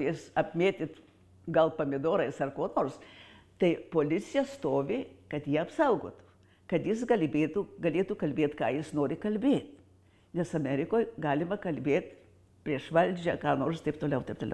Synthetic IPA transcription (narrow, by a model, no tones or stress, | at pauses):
isɐpʲmʲeːt̪ʲɪt̪ | ɡɐlˠpɐmʲɪd̪oːɾɐɪsɐrkoːnoːrst̪ɐɪpoːlʲɪt͡sʲɪjɛst̪oːʋʲɪkɐt̪jiɛɐpsɐʊɡo̰ːt̪u̥ | kɐt̪jɪsɡɐlʲbʲeːt̪uːɡɐlʲeːt̪uːkɐlʲbʲeːt̪kɑːjɪsnoːɾʲɪkɐlʲbʲeːt̪ʲ | nʲɛsɐmʲɛɾʲɪkoːjɡɑːlʲɪmɐkɐlʲbʲeːt̪ | pʲɾʲiɛʃʋɐlʲd͡ʒʲɛkɑːnoːrst̪ɐɪpt̪oːlʲɛʊt̪ɐɪpt̪oːlʲɛ